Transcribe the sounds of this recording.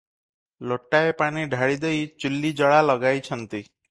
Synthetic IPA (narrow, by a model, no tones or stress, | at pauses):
loʈaepañiɖʱaɽid̪ejt͡ʃulːid͡ʒɔɭalɔɡajt͡ʃʰʌnt̪i